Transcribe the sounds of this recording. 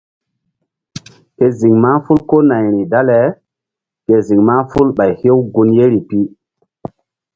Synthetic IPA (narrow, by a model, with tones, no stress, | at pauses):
ke˨zi˨ŋma˦fu˦lko˦nã˨jɾi˨da˦le˨ | ke˨zi˨ŋma˦fu˦lɓa˨jhe˦wɡu˦nje˦ɾi˨pi˦